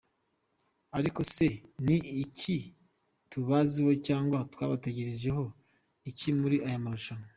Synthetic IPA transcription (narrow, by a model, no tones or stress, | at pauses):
aɾiko̞se̞niːci | tuβaziho̞caːŋɡwatwa̰ːβate̞ɟe̞ɾeʒe̞ɦo̞ | icimuɾiʔajamaɾuʃama